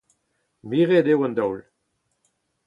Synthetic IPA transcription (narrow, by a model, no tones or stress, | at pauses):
miʁed̪ewãnd̪ɔwl